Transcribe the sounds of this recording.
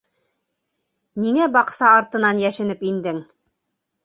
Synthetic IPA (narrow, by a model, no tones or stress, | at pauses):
niŋæbɑqsɑɑɾt̪ɤ̆nɑnjæʃɘ̆nɘpind̪ɘŋ